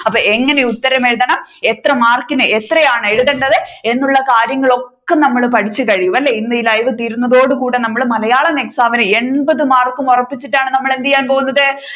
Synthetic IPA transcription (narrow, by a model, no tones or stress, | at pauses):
ɐpːoːe̞ŋːɐne̞ut̪ːɐɾɐme̞ɻuðɐɳɐmet̪rɐmaːrkinɨʔet̪rɐjaːɳɨeɻuðɐɳɖɐðɨe̞nːuɭːɐkaːɾjɐŋːɐɭo̞kːe̞nɐmːɐɭpɐʈʰit͡ɕːɨkɐɻijumɐlːeinːɨilɐjʋɨt̪iːɾunːɐðo̞ːɽɨkuːɽenɐmːɐɭmɐlɐjaːɭɐmeksaːʋinɨeɳbɐðɨmaːrkːumorɐpːit͡ɕːiʈːaːɳɨnɐmːɐɭe̞nd̪ijaːnpo̞ːɣunːɐðɨ